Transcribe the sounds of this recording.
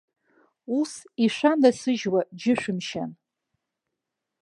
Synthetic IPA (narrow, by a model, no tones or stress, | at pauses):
usiʂʷandasɨʒwad͡ʒɪʂʷᶣɨmʃa̰n